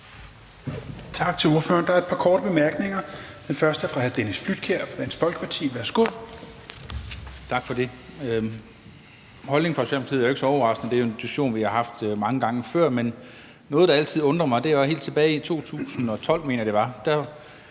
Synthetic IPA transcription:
t͡sʰɑ̈ɡ̥̚t͡sʰe̝lo̝ɐfø̰ɐnd̥ɑ̈ɐed̥pʰɑ̈kʰɒːɾ̥əb̥e̝mæɐɡ̥ne̝ŋɐd̥enfɶɐsd̥əfʁɑ̈hæð̩ˠd̥enisflyd̥̚kʰeɐ̰fɑd̥ænsfɒ̽lɡ̥ə̥pʰɑ̈t͡sʰḭːʋæɐsɡ̥uð̰ˠ | t͡sʰɑ̈ɡ̥fɒ̽d̥e̝ø | hɒ̽lne̝ŋfɒ̽eɡ̥semb̥l̩heðˠjoe̝ɡ̥sɒ̽ɒʊʁɑ̈sd̥nð̩ˠd̥ejoent͡sʰuɕo̝̰ːnʋihɑ̈ɦɑ̈fd̥mɑ̈ŋəɡ̥ɑ̈ŋəfɶɐ̰men | nɔ̽ːð̞̩ˠd̥ɑ̈æl̰t͡sʰið̞̰ˠɔ̽nd̥ʁɐmɑ̈ɪd̥e̝he̝̰ːld̥t͡sʰe̝b̥ɛːɪit͡sʰo̝̰ːt͡sʰṵːsn̩ɒ̽t͡sʰɒ̽l̰me̝̰ːnɐjd̥e̝ʋɑ̈d̥æ

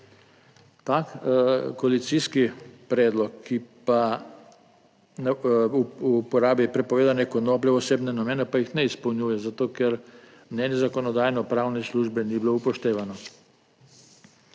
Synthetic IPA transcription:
t̪akkoalit̪siskipɾɛːd̪lɔkːipa | nuupɔɾaːbipɾɛpɔʋeːd̪anɛkɔnoːplɛɔseːbnɛnameːnɛpajixnɛispɔwnjuːjɛzat̪oːkɛɾ | mnɛːnjɛzakɔnɔd̪aːjnɔpɾawnɛsluːʒbɛnibloupɔʃt̪eːʋanɔ

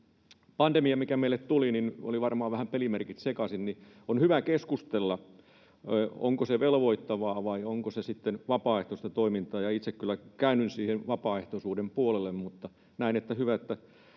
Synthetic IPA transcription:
pɑnd̥̪emiɑmikæmeilːett̪ulinino̰liʋɑrmɑːʋæhæmpelimerkit̪sekɑsinni | onhyʋækeskust̪elːɑ | o̰ŋkoseʋelʋoit̪ːɑʋɑːʋɑioŋkosesit̪ːenʋɑpɑːeht̪ost̪ɑt̪oimint̪ɑːjɑit̪sekkylːˑækæynynsiːhenʋɑpɑːeht̪osuːdempuolelːemmut̪ːɑ | næinet̪ːæhyʋæet̪ːæ

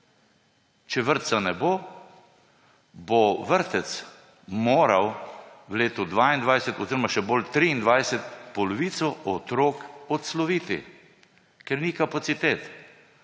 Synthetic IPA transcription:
t͡ʃɛʋəɾt̪sanɛboː | boʋəɾt̪ɛt̪s | moːɾawwleːt̪ɔd̪ʋaːind̪ʋajsɛt̪ɔziɾɔmaʃɛbolt̪ɾiːnd̪ʋajsɛt̪pɔlɔʋiːt̪sɔʔɔt̪ɾoːkɔt̪slɔʋiːt̪ḭ | kɛɾnikapat̪sit̪eːt̪

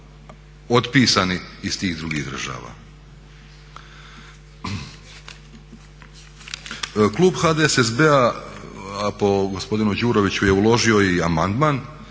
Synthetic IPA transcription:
o̞t̪piːsaniːst̪iːɣd̪ɾuɡiɣd̪r̩ʒa̰ːʋa̰ː | klˠuːbxad̪esezbea | apo̞ɡospo̞d̪inud͡ʑuːɾo̞ʋit͡ɕuje̞ulo̞ʒio̞iamand̪maːn

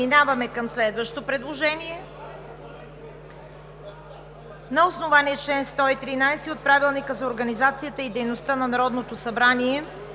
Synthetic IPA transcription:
inavɐmɛkəmslɛd̪vəʃt̪opɾɛd̪lˠoʒɛniɛ | nɐosnovaniɛt͡ʃlɛnst̪ɔit̪ɾinajsiot̪̚pɾavilˠnikəzɐoɾɡɐnizat̪sijət̪əid̪ɛjnost̪ənɐnɐɾɔd̪not̪osɐbɾaniɛ

